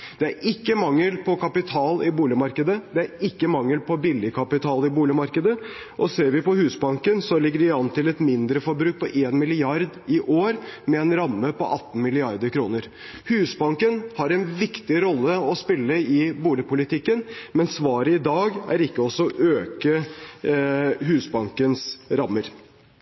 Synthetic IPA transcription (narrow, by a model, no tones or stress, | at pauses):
d̪̥ɛæɾɪkːəmɑŋːəlpʰɔkʰɑpɪt̪ʰɑːlɪbuːlɪmɑɾkəd̪əd̪ɛæɾɪkːəmɑŋːəlpʰɔbɪlːɪkʰɑpɪt̪ʰɑːlɪbuːlɪmɑɾkəd̪ə | ʔɔseːɾʋɪpɔhʉːsbɑŋkənsɔlɪɡːəɖɪɑnt̪ʰɪlɛt̪mɪnd̪ɾəfɔɾbɾʉːk̚pʰɔʔeːnmɪlɪɑɾd̪ɪʔoːɾmɛɛnɾɑmːəpɔ̰ʔɑt̪ːn̩mɪlɪɑɾd̪əɾkʰɾuːnəɾ | hʉːsbɑŋkənhɑɾɛnʋɪkt̪ɪɾɔlːəɔspɪlːəɪbuːlɪpʊlɪt̪ʰɪkːənmɛnsʋɑːɾəɪd̪ɑːɡæ̰ɾɪkːəɔsːɔʔøːkə | ɦʉːsbɑŋkənsɾɑmːəɾ